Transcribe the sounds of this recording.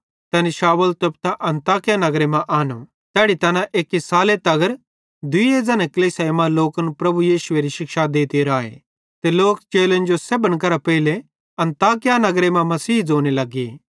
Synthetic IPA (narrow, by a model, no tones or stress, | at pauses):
t̪ɛniʃaːʋəlt̪ɐpt̪aʔɐ̃nt̪aːkɪjanɐɡɾemãʔaːnu | t̪ɛːɽit̪ɐːnãʔeːkisaːlet̪ɐɡəɾ | d̪ʊied͡zɐːnẽkɐliːsajmãloːkənpɾɐbujiːʃʊeɾiʃɪkʃad̪eːt̪eɾaːḛ | t̪eloːkt͡ʃeːlə̃nd͡ʒosebənkɐɾapɐɪle | ɐ̃nt̪aːkɪjanɐɡɾemãmɐsiːd͡zoːnelɐɡeː